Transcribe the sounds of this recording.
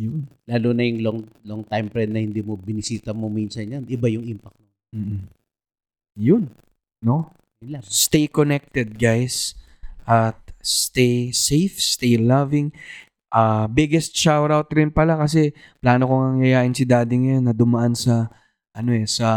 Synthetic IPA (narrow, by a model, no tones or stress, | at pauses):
jʊnlaːlonɐjʊŋloŋloŋt̪ajmpɾɛnnɐhɪnd̪iːmobɪnɪsiːt̪ɐmominsɐnjanʔɪbajʊŋimpɐk̚t̪̚mo | m̩ːʔ̩ | jʊn | no̞ | ɪlast̪ejkonɛk̚t̪ɛd̪̚ɡajs | ʔɐt̪̚st̪ejsejfst̪ejlavɪŋ | ʔabɪɡɛst̪t͡ʃawɾawt̪ɾɪnpɐlakɐs̬ɛ | plaːno̞koŋɐŋjɐjaːʔɪnsɪd̪aːd̪ɪŋɐjo̞nːɐd̪ʊmɐʔansɐ | ʔɐno̞ʔɛsɐ